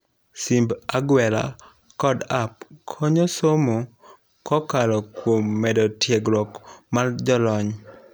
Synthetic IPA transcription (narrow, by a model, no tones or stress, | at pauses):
simbaɡwɛla̰ | kɔdap̚kʰɔɲɔsomo | kɔkalɔkwomːɛdɔtjeɡlɔkmard͡ʒɔlɔɲ